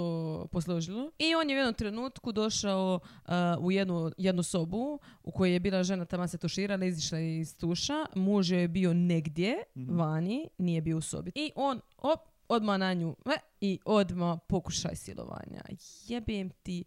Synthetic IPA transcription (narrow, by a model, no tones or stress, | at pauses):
oːposlˠo̞ʒilˠoio̞ːnjeujed̪nomt̪ɾenuːt̪kud̪o̞ʃao | uje̞d̪nujed̪nuso̞buṵko̞jejebiːlˠaʒe̞nat̪amaset̪uʃiːɾalaiziʃlaeist̪uːʃamuːʒjojebio̞neɡd̪jeʋaːniniːjebiouso̰biiʔoːn | o | o̞d̪manaɲuːɛ | iʔo̞d̪mapo̞ku̥ʃa̰jsḭlo̰ʋa̰ːɲa̰jebiemt̪i